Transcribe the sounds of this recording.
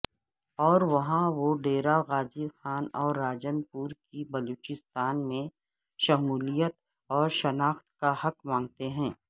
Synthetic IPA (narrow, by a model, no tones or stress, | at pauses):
ɔːɾʋɐɦãʋoɖeːɾaɣaːzixaːnɔːɾːaːd͡ʒənpuːɾkibɐloːt͡ʃɪst̪aːnmẽ | ʃɐmuːlijət̪ | ɔːɾʃɐnaːxt̪kahɐkmãːŋɡ̚t̪eɦɛ̃ː